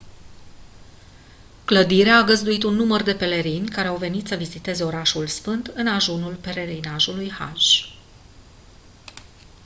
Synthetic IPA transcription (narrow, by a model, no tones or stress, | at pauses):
kləd̪iɾeaːɡəzd̪uit̪unːumərd̪e̞pe̞le̞ɾinʲkaɾe̞awve̞nit̪səvizit̪e̞ze̞o̞ɾaʃulsfɨnt̪ɨnaʒunulpe̞ɾe̞ɾinaʒulujha̰ʒ